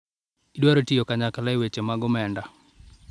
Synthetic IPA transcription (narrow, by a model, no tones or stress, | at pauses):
idwaɾotijokaɲakalaewet͡ʃemaɡɔmɛnda